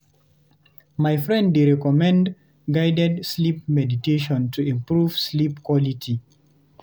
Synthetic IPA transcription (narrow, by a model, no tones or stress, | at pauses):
majfɹɛ̃nddeɹɛkɔmɛ̃nd | ɡaɪdɛdslip̚mɛditeʃɔ̃ntʰuĩmpɹuv̥slipkʰwɔlitʰi